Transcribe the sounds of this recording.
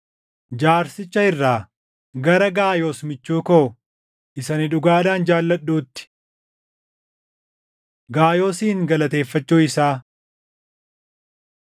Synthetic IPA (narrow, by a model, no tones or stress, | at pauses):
d͡ʒaːɾsɪt͡ʃːɐɪrːaː | ɡɐɾɐɡaːjo̞ːsmɪt͡ʃːuːkɐʊ | ʔɪsɐnɪᶑʊɡaːd̪aːnd͡ʒaːlːɐɗːuːt̪ːɪ̥ | ɡaːjo̞ːsiːŋɡɐlɐt̪e̞ːfːɐt͡ʃːuːɪsaː